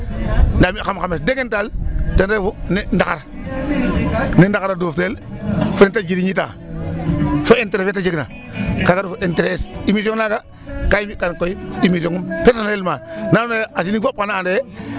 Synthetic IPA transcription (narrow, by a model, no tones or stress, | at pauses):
ndamixamxamesdekentaltenɾefunendakaɾ | nindakaɾadoːftelfuɾintad͡ʒiɾiɲit̬a̰ | foenteɾefetad͡ʒiɡna̰ | kaɡaɾfoʔenteɾesimis̬oŋnaɡa | kajimikankoiimis̬oŋumpeɾsonelmananaas̬inifop̚kanaːnde